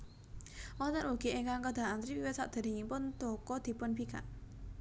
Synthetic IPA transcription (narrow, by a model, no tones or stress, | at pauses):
ʔɔt̪əɾwuɡ̥ieŋkaŋkəd̪̥a̤ʔant̪ɾiwiwet̪̚sa̰ʔd̪̥e̤d̪iŋimpʊnt̪okɔd̪̥i̤pʊnbika̰ʔ